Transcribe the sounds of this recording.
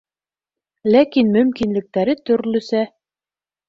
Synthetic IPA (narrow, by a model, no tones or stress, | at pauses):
lækinmɵ̆mkinlɘ̆k̚t̪æɾɘt̪ɵ̆ɾlɵ̆sæ